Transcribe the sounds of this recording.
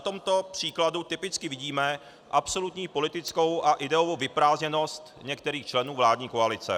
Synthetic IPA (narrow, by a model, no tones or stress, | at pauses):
nat̪o̞mt̪o̞pr̥iːkladut̪ɪpɪt͡skɪvɪɟiːmɛ | ʔapso̞lut̪ɲiːpo̞lɪt̪ɪt͡sko̞wʔaʔɪdɛovowvɪpɾaːzɲɛno̞st̪ɲɛkt̪ɛɾiːxt͡ʃlɛnuːvlaːdɲiːkoalɪt͡sɛ̰